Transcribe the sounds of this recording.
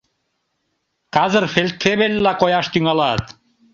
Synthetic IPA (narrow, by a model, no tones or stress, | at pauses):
kɑzərfelʲt̪feβelʲːɑqojɑʃt̪yŋɑlɑt̪